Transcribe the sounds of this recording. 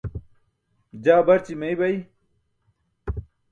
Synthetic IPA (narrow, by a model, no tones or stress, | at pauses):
d͡ʑaːbɐɾt͡ɕimejbɐj